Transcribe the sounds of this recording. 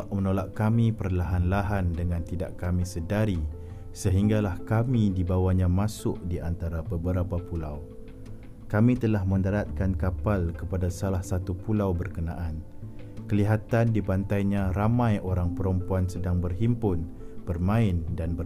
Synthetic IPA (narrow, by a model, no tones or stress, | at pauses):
ʔmənolaʔkamĩpərlaɦanlaɦandəŋãnt̪ida̰ʔkamĩsədaɾi | səɦiŋɡalahkamĩdibawaɲãmãsʊʔdiʔant̪aɾabəbəɾapapulaw | kamĩt̪əlahmə̃ndaɾat̪̚kankapalkəpadasalahsat̪upulawbərkənã̰ʔan | kəliɦat̪andipant̪ajɲãɾamãjoɾaŋpəɾɔmpuansədaŋbərɦimpʊn | b̥ərmãɪndanbə